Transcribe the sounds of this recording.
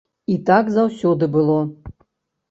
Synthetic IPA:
it̪akzawsʲɔd̪ɨbɨlˠɔ

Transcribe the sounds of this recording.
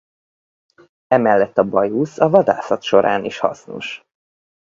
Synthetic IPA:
ɛmɛlːɛt̪ːɒbɒjusɒvɒd̪a̰ːsɒt̪ʃo̞ɾʔa̰ːniʃhɒ̰sno̰ʃ

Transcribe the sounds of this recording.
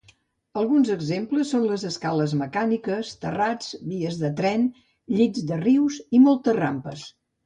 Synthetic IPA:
əlˠɣunzəɡzempləsːonləzəskaləzməkanikəst̪ərad͡zβiəzðət̪ɾɛn | ʎizd̪əriwzimɔlˠt̪ərampəs

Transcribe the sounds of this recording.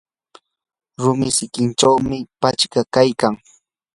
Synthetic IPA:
ɾʊmɪsɪkɪnʈ͡ʂawmɪpat͡ʃkakajkaŋ

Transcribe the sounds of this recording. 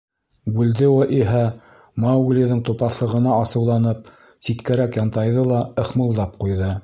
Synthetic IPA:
bʉld̪ɘwɘʔiɦæ | mɑwɡlʲiðɤɴt̪upɑθlˠɤ̆ʁɤ̆nɑɑsɤ̆wlˠɑnɤp̚ | sit̪kæɾækjɑnt̪ɑjðɤlˠɑɤ̆χmɤ̆lˠd̪ɑp̚qujðɤ

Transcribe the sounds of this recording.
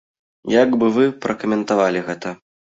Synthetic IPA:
jaɡbɨvɨpɾʔɐkɐmʲɛnt̪avalʲiɣɛt̪ɐ

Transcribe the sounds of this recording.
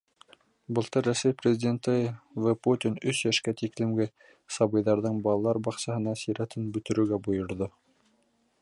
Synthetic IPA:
bɤ̆lˠt̪ɤɾːæsæjprʲɪzʲidʲent̪ɘvəput̪ʲinɵsjæʃkæt̪iklɘ̆mɡɘ | sɑβɤ̆jðɑɾðɤɴbɑlˠɑlˠɑɾbɑqsɑhɤ̆nɑsiɾæt̪ʰɘnbɵ̆t̪ɵ̆ɾɵ̆ɾɡæbujŏɾðo

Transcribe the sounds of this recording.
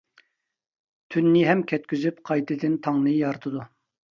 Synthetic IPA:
t̪ʰynːɪɦɛmkʲʰɛt̪̚kʲyzypqʰɑjt̪ʰɨd̪ɨnt̪ʰɑŋnɨjɑɾt̪ʰɨd̪u

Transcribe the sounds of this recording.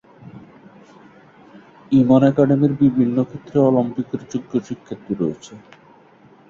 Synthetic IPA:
imonɛkaɖemiɾbibʱinːokʰet̪ːɾeɔlompikeɾd͡ʑuɡːoʃikʰːet̪ːiɾoet͡ɕʰe

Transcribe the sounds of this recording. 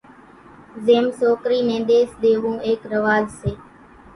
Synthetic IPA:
zeːmsoːkɾiːnẽːɗ̪eːsɗ̪eːʋũːʔeːkɾəʋaːzseː

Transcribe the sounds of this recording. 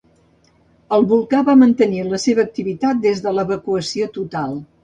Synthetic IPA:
əlˠβulˠkaβamənt̪əniləseβəːk̚t̪iβit̪at̪̚d̪ezðələβəkuəsiot̪ut̪alˠ

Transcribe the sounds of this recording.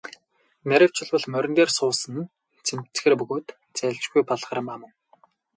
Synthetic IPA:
mʲæɾʲɪ̆w̥t͡ɕʰɪ̆ɮwə̆ɮmœɾʲɪ̆nt̪eːrsʊːsə̆n | t͡sʰemt͡s̆xĕːrpɵɣoːt̪ | t͡sæːɮt͡ɕɡujpɔɮχə̆rə̆mamə̆ŋ

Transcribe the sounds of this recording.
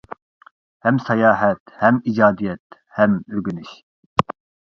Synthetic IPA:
hɛmsɑjɑːɦɛt̪hɛmid͡ʒɑːd̪ijɛt̪ | hɛmøɡʲynyʃ

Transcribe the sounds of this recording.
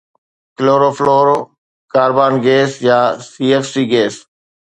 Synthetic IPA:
kɪloːɾoːfloːɾ | kaːɾbaːnɡeːsjaːsiːeːfsiːɡeːs

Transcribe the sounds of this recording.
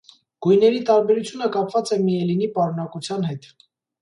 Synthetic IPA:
ɡ̥ujnɛɾit̪ɑɾbɛɾut͡sʰjunəkɑpvɑt͡sɛmiɛlinipɑɾunɑkut͡sʰjɑn̪hɛt̪

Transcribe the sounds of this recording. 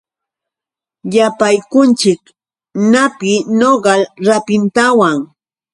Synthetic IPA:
japajkʊnt͡ʃɪk | napɪnoɢɑlɾapɪnt̪awaŋ

